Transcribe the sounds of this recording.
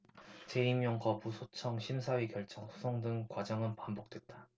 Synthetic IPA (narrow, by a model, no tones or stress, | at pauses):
t͡ɕe̞imjʌŋkʌbusʰot͡ɕʰʌŋɕʰimsʰaɥikjʌɭt͡ɕʰʌŋsʰu̥sʰʌŋdɯŋkwad͡ʑʌŋɯnpambok̚t͈we̞t̚t͈a